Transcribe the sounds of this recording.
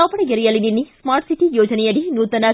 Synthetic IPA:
ɐpɐɽɐɡeɾɛjɐlininːismaːɾʈsiʈijoːd͡ʒɐnejɐɽinuːt̪ɐna

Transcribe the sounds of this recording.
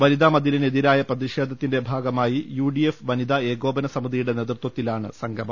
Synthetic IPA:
ʋɐɾid̪amɐd̪ʱiline̞ðiɾaːjɐprɐðiʂe̞ːd̪ʱɐt̪ːinde̞bʱaːɡɐmaːjijuːɖie̞ffʋɐnid̪ɐe̞ːɡo̞ːbɐnɐsɐmiðijuɽe̞neðrt̪wɐt̪ːilaːɳɨsɐŋɡʱɐmɐ

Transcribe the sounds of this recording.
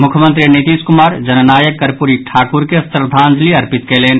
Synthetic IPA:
mʊkʰjəmə̃nt̪ɾinit̪iːskʊmaːɾd͡ʒɐnnaːjəkːɐɾpuɾiʈʰaːkʊɾkesəɾd̪ʱãːnd͡ʒliɐɾpɪt̪keːleːn

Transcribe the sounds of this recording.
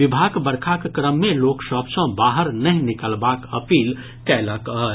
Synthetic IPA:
ʋibʱaɡbəɾkʰakkɾəmːeloksəbsə̃baɦəɾnəɦĩnikəlbakəpil | kɛləkə

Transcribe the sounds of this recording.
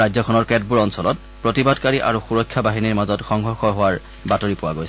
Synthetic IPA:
ajzɔkʰɔnɔɹkɛd̚buɹɔnsɔlɔt | pɹotibadkaɹiʔa̰ɹuxuɹɔkʰːabaɦiniɹmazɔtxɔŋɦɔxɔɦowaɹ | batoɹipʊwaɡojsɛ

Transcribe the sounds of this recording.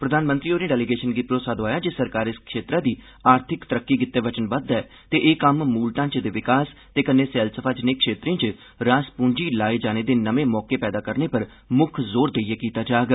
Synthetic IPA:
pɾəd̪aːnmə̃nt̪ɾiːoːneːɖɛːliɡeːʃənɡiːpɾoːsaːd̪oaːjaːd͡ʒɪsəɾkaːɾɪskʰʃeːt̪ɾaːd̪iː | aːɾt̪ʰɪkt̪əɾəkːiːɡɪt̪ːeːʋət͡ʃənbəd̪ɛː | t̪eːʔeːkəmːuːlʈãːt͡ʃd̪eːʋɪkaːst̪eːkənːeːsɛːlsəpʰaːd͡ʒneːkʰʃeːt̪ɾẽːt͡ʃ | ɾaːspũːɳd͡ʒiːlaːed͡ʒaːneːd̪eːnəʋeːmɔːkeːpɛːd̪aːkəɾneːpəɾ | mʊkʰzoːɾd̪eijɛːkiːt̪aːd͡ʒaːɡ

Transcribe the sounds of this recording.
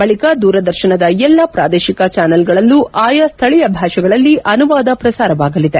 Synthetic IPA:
bɐɭikɐd̪uːɾɐd̪ɐɾʃɐnɐd̪ɐɛlːɐpɾaːd̪eːʃikɐt͡ʃaːnɐlɡɐɭɐlːuʔaːjɐst̪ʰɐɭijɐbʱaːʃɐɡɐɭɐlːiʔɐnuʋaːd̪ɐpɾɐsaːɾɐʋaːɡɐlid̪e

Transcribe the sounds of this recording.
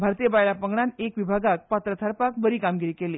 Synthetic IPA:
bʱaɾt̪iːjəbajlapəŋɡɳanekʋibʱaɡak̚pat̪ɾət̪ʰaɾpak̚bəɾiːkamɡiɾiːkeliː

